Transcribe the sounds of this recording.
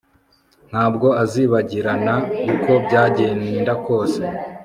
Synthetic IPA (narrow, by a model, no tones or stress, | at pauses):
n̥haːbɡo̞aziːβaɟiɾanakuko̞bɟaːɟeniːndakʰo̞ːse̞